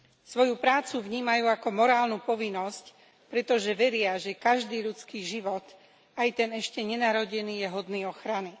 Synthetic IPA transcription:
sʋɔjupɾaːt͡suvɲiːmajuːakɔmɔɾaːlnupɔʋinːɔsc | pɾɛt̪ɔʒɛʋɛɾɪaʒɛkaʒd̪iːʎut͡skiːʒiʋɔt̪ | ajt̪ɛnɛʃcɛɲɛnaɾɔɟɛniːjɛɦɔd̪niːɔxɾani

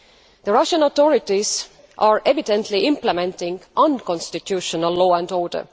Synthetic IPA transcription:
ð̥əɹɑʃə̃not̪oɹɪtis | ʔɑːɹʔevidɛ̃nt̪ʰliʔɪ̃mpləmɛ̃ntɪ̃ŋɡʔʌ̃nkɔ̃nstitʰjʉːʃənəlːoːæ̃ndoːɹdə̰

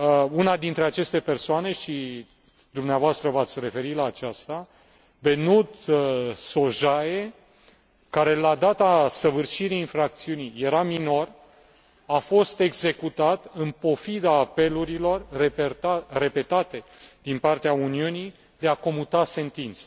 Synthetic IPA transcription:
unad̪int̪ɾe̞at͡ʃe̞st̪e̞pe̞rsoane̞ʃi | d̪umneavoast̪ɾəvat̪sʲre̞fe̞ɾit̪laːt͡ʃast̪a | be̞nut̪so̞ʒaje̞ | kaɾe̞lad̪at̪asəvɨrʃiɾiinfɾak̚t̪siunijje̞ɾamino̞r | afo̞st̪e̞ɡze̞kut̪at̪ɨnpo̞fid̪aːpe̞luɾilo̞reeare̞pe̞t̪at̪e̞d̪̥inpart̪eauniuni | d̪e̞ako̞mut̪ase̞nt̪int̪sə̥

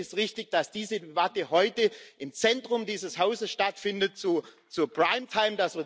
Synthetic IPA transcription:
ɪstʁɪçtɪçd̥asd̥iːzədebatəhɔʏtəʔɪmt͡sɛntʁ̥ʊmdiːzəshaʊzəsʃtatfɪndət̚t͡su | t͡suɐpʁ̥aɪmtʰaɪmdasv̥ɪɐ

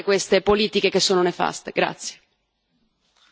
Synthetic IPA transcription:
kwest̪epoliːt̪ik̟ekesːoːnonefa̰st̪eɡɾa̰t̪sːje̥

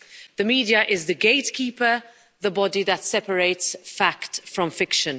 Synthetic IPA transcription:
ðəmiːdiəʔɪzðəɡeɪtkʰipə | ðəbɒdiðətsɛpəɹeɪtsfaktfɹə̃ɱfɪkʃə̃n

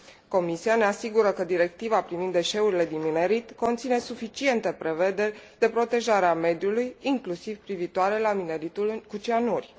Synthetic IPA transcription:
ko̞misiane̞asiɡuɾəkəd̪iɾe̞k̚t̪ivapɾivind̪ːe̞ʃe̞uɾile̞d̪inmine̞ɾit̪ko̞nt̪sine̞sufit͡ʃie̞nt̪e̞pɾe̞ve̞d̪e̞rʲd̪e̞pɾo̞t̪e̞ʒaɾeame̞d̪julujiŋklusivpɾivit̪oaɾe̞lamine̞ɾit̪ulkut͡ʃianurʲ

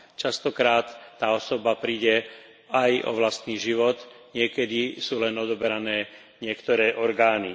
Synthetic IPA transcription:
t͡ʃast̪ɔkɾaːt̪ːaːɔsɔbapɾiːɟɛ | ajɔ̰ʋlast̪niːʒiʋɔt̪ | ɲɪɛkɛd̪isuːlɛnɔd̪ɔbɛɾanɛː | ɲɪɛkt̪ɔɾɛːʔɔɾɡaːni

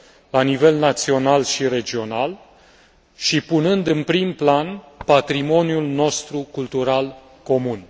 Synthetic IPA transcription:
lanive̞lnat̪sio̞nalʃiɾe̞d͡ʒio̞nal | ʃipunɨnd̪ɨnpɾimplan | pat̪ɾimo̞njulno̞st̪ɾukult̪uɾal | ko̞mun

